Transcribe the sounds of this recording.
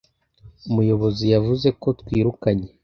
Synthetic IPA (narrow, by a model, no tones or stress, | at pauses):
umujo̞βo̞zijavuze̞ko̞twiːɾukaɲe̞